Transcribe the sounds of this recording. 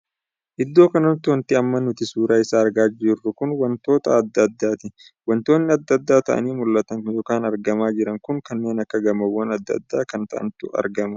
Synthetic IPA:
ʔɪd̪ːo̞ːkɐnɐnt̪ːʊwɐnt̪ɪɐmːɐnʊt̪ɪsuːɾaːɪsaːɾɡaːd͡ʒɪrːʊkʊnwɐnt̪o̞ːt̪ɐːd̪ːɐd̪ːaːt̪ɪ | wɐnt̪o̞ːnːɪɐd̪ːɐd̪ːaːt̪ɐʔɐ̰niːmʊlːɐt̪ɐŋjoːkaːnɐɾɡɐmaːd͡ʒɪɾɐŋkʊŋkɐnːe̞ːnɐkːɐɡɐmɐwːɐnɐd̪ːɐ̰d̪ːaːkɐnt̪ɐʔɐ̰nt̪ʊɐ̰ɾɡɐmɐ

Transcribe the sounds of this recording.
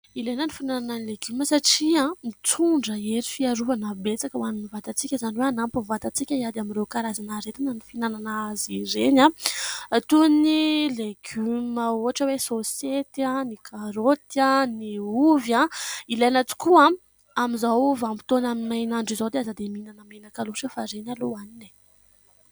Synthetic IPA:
ilejnənifinanananileɡyməsaʈ͡ʂiãmit͡suɳɖ͡ʐəeɾifiaɾuvanəbet͡sakəwanunivat̪at͡sikʲəzaniweanampuvat̪at͡sikʲəiad̪aminɾewkaɾazanaɾet̪inənifinananaaziɾenã | t̪unileɡ̥yməoɦaʈ͡ʂəwesoset̪anikʰaɾot̪janiuvjãilanat͡si̥kuã | amizawvampi̥t̪onaminajnaɳɖ͡ʐizawd̪eazad̪eminanəmanəkaluʃəfaɾenaloanini̥

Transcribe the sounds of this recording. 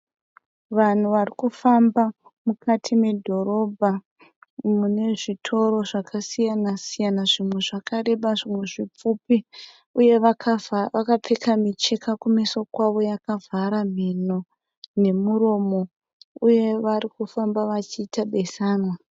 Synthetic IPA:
ʋan̤uʋarikufamba | mukatʰime̞dʱo̞ɾo̞bʱa | mune̞ʐitʰo̞ɾo̞ʐakʰasijanasijanaʐimwe̞ʐakʰaɾe̞ɓaʐimwe̞ʐip͡fupi | uje̞ʋaaʋakap͡fekamit͡ʃe̞kakumisokwaʋo̞jakavʱaɾam̤ino̞ | ne̞muɾo̞mo̞ | uje̞ʋaɾikufambaʋat͡ʃiːtaɓe̞saːnwa

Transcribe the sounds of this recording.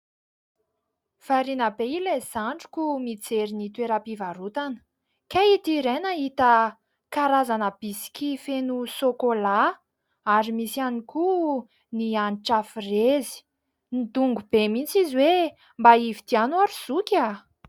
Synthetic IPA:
faɾinəbeilez̥aɳɖ͡ʐu̥kʲumit͡seɾinit̪weɾapivaɾut̪anə̥ | kait̪iɾenait̪ə | kaɾazanəb̥isi̥kʲifenusokola | aɾimisianiku | nianʈ͡ʂafirezi̥ | nid̪uŋɡub̥emint͡siziwe | mbaivid̪ianuaɾiz̥ukʲa

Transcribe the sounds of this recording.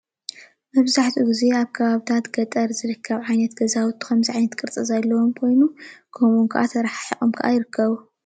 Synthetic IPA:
mɐβzaħt̪ʰuɡize̞aβkʰɐβaβit̪ʰat̪ɡ̥ɐt̪ʼɐɾzɨɾɨkʰːɐβʕajnɐt̪ɡ̥ɐzawt̪ʰːu̥kɐmziʕajnɐt̪kʼɨɾt͡sʼɨzalːɐwomkʰo̞jnukʰomuŋkʰɐ̰ʔat̪ʰɐɾaħḁħixʼomkʰaʔa̰jɪɾɨkʰːɐβu

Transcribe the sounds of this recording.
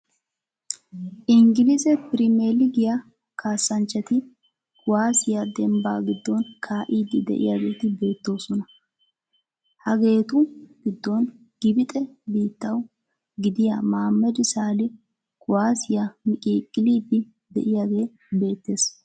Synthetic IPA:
ʔɪŋɡɪlɪsɛpɪɾɪmeːlɪɡɪja | kʰaːsːɐnt͡ʃːɐt̪ɪ | kʰʊwaːsɪjad̪ɛmba̰ːɡɪd̪ːonkʰaːʔiːd̪ːɪd̪ɛ̰ʔɪ̰jaɡe̞ːt̪ɪbe̞ːt̪ːo̞ːsɔnɐ | hɐɡe̞ːt̪ʊɡ̥ɪd̪ːon | ɡ̥ɪbɪt̪ʼɛbiːt̪ːɐw | ɡɪd̪ɪjamaːmːɛd̪ɪsaːlɪ | kʊwaːsɪjamɪkʼiːkʼːɪliːd̪ːɪ | d̪ɛ̰ʔɪjaɡe̞ː | be̞ːt̪ːe̞ːs

